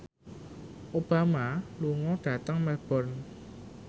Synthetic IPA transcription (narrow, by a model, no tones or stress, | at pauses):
ʔob̥amaluŋɔɖ̥a̤t̪əŋmɛb̥ɔ̤n